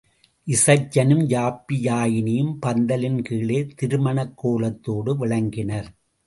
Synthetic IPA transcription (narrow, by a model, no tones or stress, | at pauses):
ʔɪsɐt͡ʃːɐnɯmd͡ʒaːpːɪjaːjɪnɪjɯmpɐnd̪ɐlɪnkiːɭeːt̪ɪɾɯmɐɳɐkːoːlɐt̪ːoːɽɯʋɪɭɐŋɡɪnɐɾ